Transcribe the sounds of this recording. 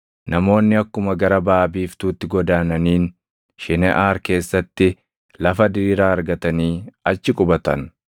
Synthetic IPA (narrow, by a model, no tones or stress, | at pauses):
nɐmo̞ːnːɪɐkːʊmɐɡɐɾɐbaːbiːft̪uːt̪ːɪɡɔd̪aːnɐniːn | ʃɪnɛʔaːɾke̞ːsːɐt̪ːɪ | lɐfɐd̪iːɾaːɐɾɡɐt̪ɐniːɐt͡ʃːɪkʼʊbɐt̪ɐ̰n